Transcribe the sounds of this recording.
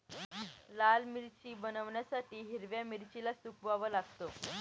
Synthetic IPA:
lalmiɾt͡ɕiːbənəʋɳjasaʈiːɦiɾʋjamiɾt͡ɕilasukʋaʋəlaɡt̪o

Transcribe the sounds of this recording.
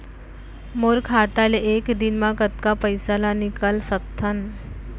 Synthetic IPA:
moɾkʰat̪aleʔekd̪inmakət̪kapəjsalanikalsət̪ʰːan

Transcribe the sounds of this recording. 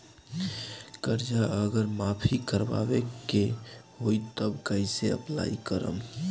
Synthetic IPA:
kəɾd͡ʒaʔəɡəɾmapʰikəɾba̰beke | ɦojt̪əbkəɪseə̰pla̰ikəɾə̰m

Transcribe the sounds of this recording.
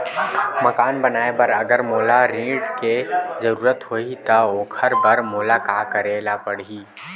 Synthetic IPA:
məkaːnbənaːebɐɾɐɡəɾmoːlaɾĩːɖkezəɾuːɾət̪ɦoːit̪aoːkʰəɾbəɾmoːlakaːkəɾeːlapəɽ̤iː

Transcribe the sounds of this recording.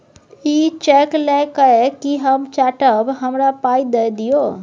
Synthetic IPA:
iːt͡ʃeːklẽkəekiɦəmt͡ʃaːʈəbɦɐmɾapaːid̪ed̪ijoː

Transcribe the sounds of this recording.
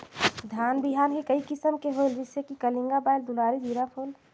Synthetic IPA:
d̪ʱaːnbiɦaːnɦikəikɪsəmkeɦold͡ʒɪsekikəlĩŋɡabaɪld̪ulaːɾid͡ʒiɾapʰoːl

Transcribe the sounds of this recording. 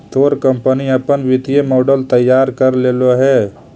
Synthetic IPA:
t̪oːɾkəmpəniəpənʋɪt̪iemɔːɖəlt̪əjːaːɾkəɾleːloɦɛː

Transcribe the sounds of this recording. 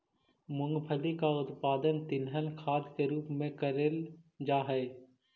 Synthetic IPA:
mʊ̃ŋɡbʰʱəlikaʊt̪paːd̪ənt̪ɪnɦəlkʰaːd̪keɾuːpmẽkəɾeld͡ʒaːɦɛe

